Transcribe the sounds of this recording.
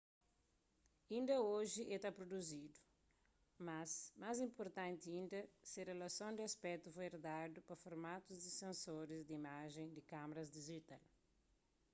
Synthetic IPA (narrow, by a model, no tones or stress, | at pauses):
ĩnd̪ɐoʒiʔet̪apɾod̪uzid̪u̥ | masmazĩmpoɾt̪ãnt̪iĩnd̪ɐsɐrelɐsõnd̪ɪɐspɛt̪ufojɾd̪ad̪upɐfoɾmat̪uzd̪isẽnsoɾizd̪imaʒẽj̃d̪ikamɐɾɐzd̪iʒit̪al